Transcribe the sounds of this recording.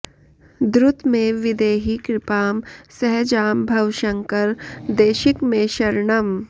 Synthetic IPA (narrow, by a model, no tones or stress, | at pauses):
d̪ɾʊt̪mẽʋɪd̪eːɦikɾɪpaːmsɛɦd͡ʒaːmbʱɐwʃə̃ŋkəɾd̪eːʃɪkmẽʃɐɾɳəm